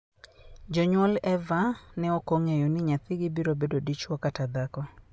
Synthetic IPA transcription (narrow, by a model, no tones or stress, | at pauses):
d͡ʒɔɲwɔlɛvanɛokoŋejɔnɪɲat̪ɪɡɪbiɾobedodit͡ʃwɔkatad̪akɔ